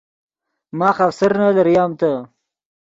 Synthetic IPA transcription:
mɑːxafsəɾnalaɾjɑːmt̪a

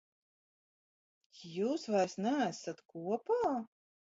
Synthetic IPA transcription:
t̪ʲjuːsvaɾsnææsat̪kuɔpa

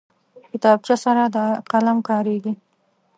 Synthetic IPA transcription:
kɪt̪ɑb̚t͡ʃjasaɾad̪əqalamkɑɾeɡi

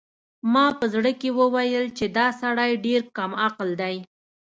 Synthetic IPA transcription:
mɑpəzɽəkewəwajəlt͡ʃed̪ɑsaɽɑjɖeɾkamaqld̪aj

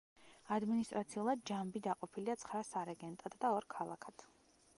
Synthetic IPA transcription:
ad̪minist̪ʼɾat̪sʰiulˠad̪̚d͡ʒambid̪aqʼɔpʰiliat̪sʰχɾasaɾɛɡɛnt̪ʼad̪d̪aɔɾkʰalˠakʰad̪̥ʰ

